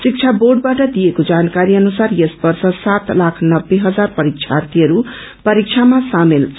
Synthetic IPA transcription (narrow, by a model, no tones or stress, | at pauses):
sik̚t͡sʰaborɖ̚baʈʌd̪ijekod͡zankaɾiʌnusarjesbʌrsʌsat̪lakʰnʌbːeɦʌd͡zarpʌɾik̚t͡ʃʰart̪ʰiɦʌɾu | pʌɾik̚t͡sʰamasamelʰ